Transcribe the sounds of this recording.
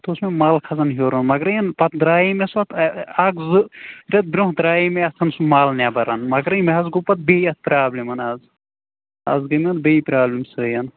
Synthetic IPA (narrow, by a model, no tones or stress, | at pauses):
t̪oːsmemaːlkʰɐzɐnɦoɾɐnmɐɡɾɐjɐnpɐt̪d̪ɾaːjimesʋɐt̪ʰɐɡzɨɾʲɐt̪̚bɾʲoɦd̪ɾaːjimeɐsʰɐnsumaːlnʲabɐɾɐnmɐɡɾɐjmeɦɐzɡupɐt̪̚beiɐt̪̚pɾaːblimɐnaːz | ɐ̰zɡɐmʲɐnt̪beipɾaːblʲimsɨjɐn